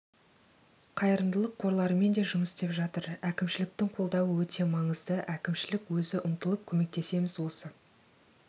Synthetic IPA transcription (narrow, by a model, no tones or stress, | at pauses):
qʰɑjəɾənd̪əlˠəqʰːo̞ɾlˠɑɾəme̞nd̪e̞ʒʊməst̪e̞pʒɑt̪əɾækʲɪmʃɪlɪk̚t̪ɪŋqʰo̞lˠd̪ɑwəwɵt̪ʰe̞mɑɴəzd̪əʔækʲɪmʃɪlɪkwɵzɪʔʊmt̪əlˠəp̚kʲʰɵme̞k̚t̪e̞se̞mɪzwo̞sə